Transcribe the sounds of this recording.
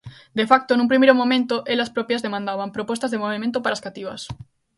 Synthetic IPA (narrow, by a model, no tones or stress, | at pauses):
d̪efak̚t̪onũmpɾimejɾomomẽnt̪oʔelɐspɾɔpjɐzðemãnd̪aβampɾopɔst̪azðemoβimẽnt̪opaɾaːskat̪iβɐs